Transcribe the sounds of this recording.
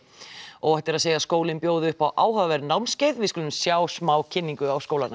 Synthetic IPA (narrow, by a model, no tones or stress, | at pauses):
ɔɣɛht̪ɪɾaðseːjaskoːwlɪnpjoːwðʏʏhpawʔaːwɦœvɛɾnawmscɪjðvɪðskʏːlʏmsjaːwsmaːwcʰɪnːiŋkʏawskoːwlanːa